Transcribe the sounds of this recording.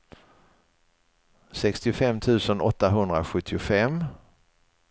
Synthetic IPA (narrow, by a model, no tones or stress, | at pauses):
sɛkst̪ɪʊfɛmːt̪ʰʉ̟ːsənʔɔt̪ːaɦɵnd̪ɾaɧɵt̪ʰːɪʊfɛm